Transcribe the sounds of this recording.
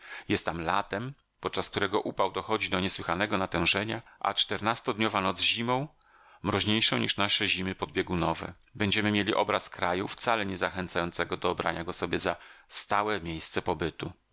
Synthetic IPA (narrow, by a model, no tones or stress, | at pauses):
jɛst̪ːamla̰t̪ɛm | pɔt̪̚t͡ʂask̚t̪uɾɛɡɔʔupawd̪ɔxɔd͡ʑid̪ɔɲɛswɘxanɛɡɔnat̪ɛ̃w̃ʐɛɲaʔa̰t͡ʂt̪ɛɾnast̪ɔd̪ɲɔvanɔd̪zʑimɔ̃w̃ | mɾɔʑɲejʂɔ̃w̃ɲiʂnaʂɛʑimɘpɔd̪̚bʲjɛɡunɔvɛ̰ | bɛɲd͡ʑɛmɘmʲjelʲiʔɔ̰bɾaskɾajuft̪salɛɲɛzaxɛnt̪sajɔnt̪sɛɡɔd̪ɔːbɾa̰ɲaɡɔsɔbʲjɛzast̪awɛmʲjejst̪sɛpɔbɘt̪u